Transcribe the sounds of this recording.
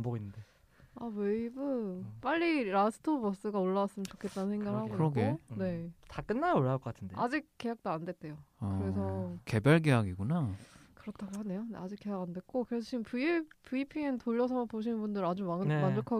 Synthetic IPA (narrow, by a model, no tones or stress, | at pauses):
mboɡinːɯnde | aweibɯp͈aʎːiɾasʰɯ̥tʰobʌs͈ɯɡaoɭːawas͈ɯmɯnt͡ɕokʰe̞t̚t͈anɯnsʰeŋɡaɡɯɭɦaɡoɾʌɡene̞tak͈ɯnːajaoɭːaɭkʌk͈atʰɯndead͡ʑik̚k͈ːe̞jak̚t͈oandwe̞t̚t͈e̞joakɯɾe̞sʰʌke̞baɭɡejaɡiɡunakɯɾʌtʰaɡoɦane̞jonḛad͡ʑik͈e̞jaɡandwe̞k̚k͈okɯɾes̬ʰʌt͡ɕʰiɯmppuipʰientoʎːʌsʰʌpoɕ̬ʰinɯnbundɯɾad͡ʑumamand͡ʑokʰa